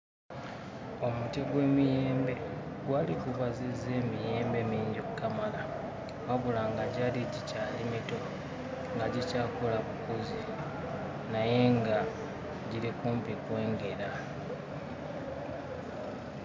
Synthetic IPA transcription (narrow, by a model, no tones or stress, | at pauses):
o̞mutiɡwe̞ːmijeːmbe̞ | ɡwaːlikuβazize̞ːmije̞ːmbe̞miːɲɟokːamala | waβulaŋɡaɟaːliɟicaːlimito̞ | ŋɡaɟicaːko̞laβukuzi | naje̞ŋɡa | ɟilikuːmpikwe̞ːŋɡe̞ɾa